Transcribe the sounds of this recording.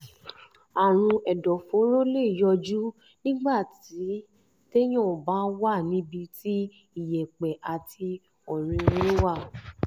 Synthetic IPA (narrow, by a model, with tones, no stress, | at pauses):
a˨ɾ̃ũ˧ɛ˨dɔ˨fo˨˦ɾo˦le˦˨jɔ˧d͡ʒu˦ | nĩ˦ɡ͡ba˦˨ti˨˦ | te˦j̃ɔ̃˦˨bã˦wa˦˨nĩ˨˦bi˧ti˦ | i˦˨jɛ˨k͡pɛ˨ʔa˨ti˧ | ɔ˨ɾ̃ĩ˧ɾe˦wa˦˨